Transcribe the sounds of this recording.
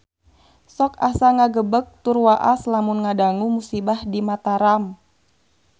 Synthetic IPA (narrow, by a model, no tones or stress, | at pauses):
sɔkasaŋaɡəbək̚t̪urwaʔaslamunŋadaŋumusibahdimat̪aɾam